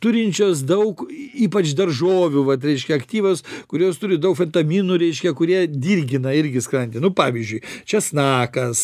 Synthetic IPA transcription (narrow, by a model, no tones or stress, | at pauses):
t̪ʊɾʲɪnʲt͡ʃʲoːs̬d̪ɐʊkiːpɐt͡ʃd̪ɐrʒoːʋʲuʋɐt̪ɾʲɛɪʃʲkʲɛɐkt̪ʲiːʋoskʊɾʲoːst̪ʊɾʲɪd̪ɐʊkfʲɛnt̪ɐmʲiːnuːɾʲɛɪʃʲkʲɛkʊɾʲiɛd̪ʲirʲɡʲɪnɐɪɾʲɡʲɪskɾɐnʲt̪ʲɪnʊpɑːʋʲizʲd͡ʒʲʊɪt͡ʃʲɛsnɑːkɐs